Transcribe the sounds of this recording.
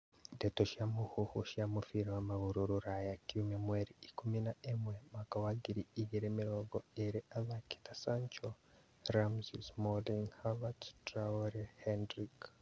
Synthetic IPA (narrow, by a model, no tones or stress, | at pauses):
detoʃiamuhuhuʃiamufiɾawamaβuɾuɾuɾajakumemweɾiikuminaemwemakawaɡiɾiiɡeɾemiɾoːɡoeɾeʔaβaki̥tasaɲt͡ʃo | ɾamzismodenhaβattɾaoɾehendɾik